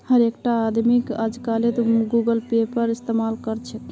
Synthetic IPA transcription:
həɾekʈaːd̪mikə̰d͡ʒkalet̪ɡuɡəlpepəɾist̪emalkəɾt͡ʃʰɛt̪

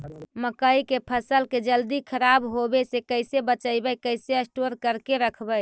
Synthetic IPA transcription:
məkəikepʰəsəlked͡ʒəld̪ikʰəɾabɦobesekəɪsebət͡ʃəɪbəkəɪseəsʈoɾkəɾkeɾəkʰbəj

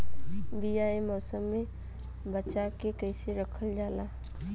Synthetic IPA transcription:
bijaemɔsəmːe | bəːt͡ʃakekəɪseɾəkʰəld͡ʒala

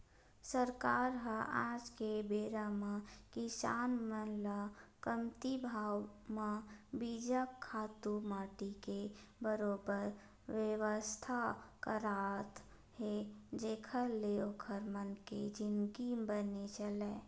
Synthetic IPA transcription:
səɾkaːɾɦəaːd͡ʒkebeːɾamãkɪsaːnmənlakəmt̪ibʱaːwmabid͡ʒakʰːaːt̪umaːʈikebəɾoːbəɾ | ʋjəʋəst̪ʰakəɾaːt̪ | ɦed͡ʒeːkʰəɾleokʰəɾmənked͡ʒɪnɡibənet͡ʃəlɛː

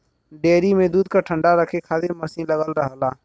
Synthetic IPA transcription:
ɖeːɾimẽd̪uːd̪̚kaʈʰə̃ɳɖaɾəkʰekʰaːd̪eməsĩnləɡəlɾəɦlaː

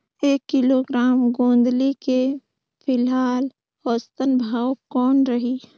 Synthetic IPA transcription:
eːkːɪloɡɾaːmɡõːnd̪like | pʰɪlɦaːl | ɔːst̪ənbʱaːwkɔːnɾɐɦiː

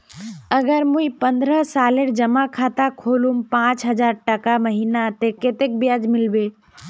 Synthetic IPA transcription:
əɡəɾmuipənd̪ɾəɦsaːleɾd͡ʒəmakʰat̪akʰolumpãːt͡ʃɦəd͡ʒaɾʈəkaməɦinat̪eket̪ek̚bjad͡ʒmɪlbe

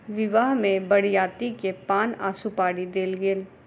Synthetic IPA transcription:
ʋɪʋaːɦmẽbɐɽjaːt̪ikepaːna̰ːsupaːɽid̪eːlɡeːl

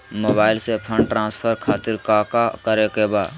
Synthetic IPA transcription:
moːbaːɪlsepʰə̃ɳɖʈɾãːspʰəɾkʰaːt̪ɪɾkakakəɾekebaː

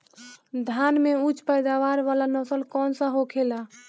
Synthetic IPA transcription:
d̪ʱanmeut͡ʃʰpəjd̪aʋaɾʋalanəsəlkɔnsə̃ɦokʰela

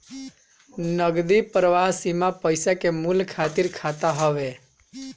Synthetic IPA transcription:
nəɡd̪ipɾəʋaɦsimapəjsakemulkʰat̪iɾkʰat̪aɦəʋe

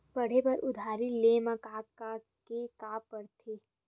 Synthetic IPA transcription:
pɐɽ̤epɐɾʔʊd̪ʱaːɾileːmakaːka | kekaːpːɐɽt̪ʰeː

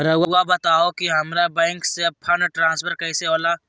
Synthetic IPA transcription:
ɾɐawabɐt̪aːokiɦɐmɾabɛ̃ːŋksepʰɐnʈɾãːnspʰəɾkɐɪseoːla

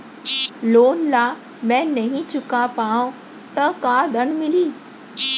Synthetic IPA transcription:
loːnlaː | mɛ̃nɐɦĩt͡ɕʊkapaːõ | t̪ɐkad̪ʱəɽ̃mɪliː

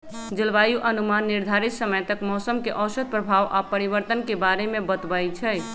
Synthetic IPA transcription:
d͡ʒəlʋajuʔənumanːiɾd̪ʱaɾit̪səməjt̪əkmɔsəmkeʔɔsəɾ̚pɾəbʱaʋʔapəɾiβəɾt̪ənkebaɾemebət̪bəjt͡ʃʰɛj

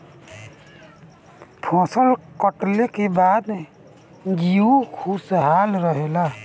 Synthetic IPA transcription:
pʰɔ̃ːsəlkɔʈlekebaːd̪ | ɡiukʰusɦaːlɾəɦela

